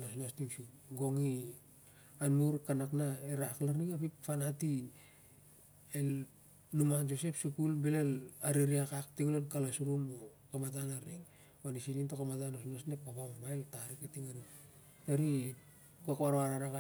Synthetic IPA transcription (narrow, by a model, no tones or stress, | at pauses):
nosnostiŋsuɡo̞ŋi | anmuɾkanaknaeɾaklaɾniŋapipfanati | el | numand͡ʒo̞se̞psukulbelelaɾiɾiakaktiɡulelkalasuɾumo | kamatanaɾiŋ | banisinintokamatanosnosnep̚apammaeltaɾikatiŋaɾi | taɾi | kuakβaɾoaɾaɾaka